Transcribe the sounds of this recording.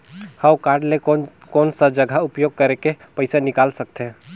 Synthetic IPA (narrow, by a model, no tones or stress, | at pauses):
hə̃wkaːɾɖlekoːnsəd͡ʒəɡʱaupjoɡ̚kəɾeke | pəɪsanɪkaːlsək̚t̪ʰɛ̃